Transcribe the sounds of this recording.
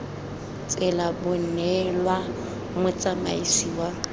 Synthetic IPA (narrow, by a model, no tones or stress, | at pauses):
t͡sʼɛlabʊn̩nɛlwa | mʊt͡sʼama̰isiːwa